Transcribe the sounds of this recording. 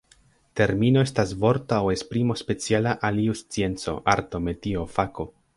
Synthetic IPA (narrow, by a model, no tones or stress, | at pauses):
te̞ɾmino̞e̞stasvo̞ɾtawekspɾimo̞spe̞t͡sialaʔaliust͡sie̞nt͡so̞̰ʔa̰ɾto̞metiofako̞